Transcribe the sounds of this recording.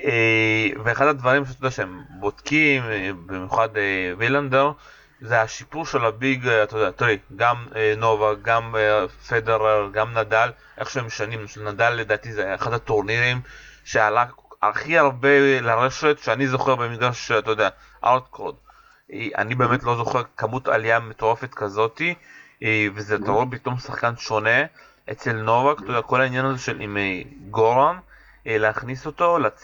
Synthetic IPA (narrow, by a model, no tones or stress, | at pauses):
eveaχad̪ad̪vaʁimʃtod̪eaʃeembod̪̥kimbimjuχad̪eviland̪eʁ | zeaʃipuʁʃe̞labiɡat̪odeat̪ojɡamno̞vaɡamfedeʁalɡamnad̪al | ʔeχʃeemʃtanimnʃlnad̪alːed̪aːt̪izeaχad̪hat̪oʁniʁimʃealaa̰lχiaʁbelaʁe̞ʃet̪ʃeanizo̞χe̞ʁbe̞miɡaʃat̪ojd̪ea | ʔaʁt̪kod̪ | eʔa̰nibeːme̞tlo̞zo̞χeʁkamut̪a̰lijame̞t̪o̞ʁefe̞t̪kazo̞t̪i | vezeat̪aʁopit̪o̞msaχkanʃo̞ne̞ | ʔet͡se̞lno̞vakt̪ojdeako̞lhainjanazeʃe̞lʔimejɡoʁan | leaχniso̞t̪o̞lat͡s